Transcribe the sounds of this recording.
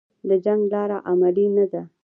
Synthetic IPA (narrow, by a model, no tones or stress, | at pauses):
d̪əd͡ʒaŋɡlɑɾaʔamalinad̪a